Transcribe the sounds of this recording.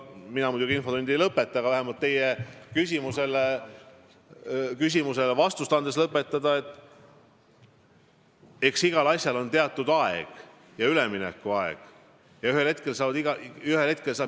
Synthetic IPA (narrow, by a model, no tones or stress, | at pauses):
minɑmud̪̥uɡiinfo̞t̪und̪ejlɤpːˑe̞t̪ːˑɑɡ̥ɑvæɦemɑlt̪ːe̞jekysʲimuse̞le | kys̬ʲimuse̞levɑst̪ust̪ɑnd̪eslɤpːˑe̞t̪ˑːɑd̪̥ɑe̞t̪ːˑ | e̞ksiɡ̥ɑlɑsʲjɑlo̞nt̪e̞ɑt̪ːˑud̪̥ɑḛɡ̥ | jɑyleminɛ̰kːˑuɑḛɡ̥ | jɑyhelht̪̚ke̞lsɑːɑd̪iɡ̥ɑyhelhe̞t̪̚ke̞lsɑː